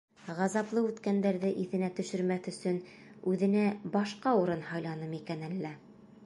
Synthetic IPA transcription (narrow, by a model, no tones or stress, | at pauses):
ʁɑzɑplˠɤʉt̪kænd̪æɾðɘʔiθɘ̆næt̪ɵ̆ʃɵ̆ɾmæθɵ̆sɵn | ʉðɘ̆næbɑʃqɑuɾɤnhɑjlˠɑnɤmikænælːæ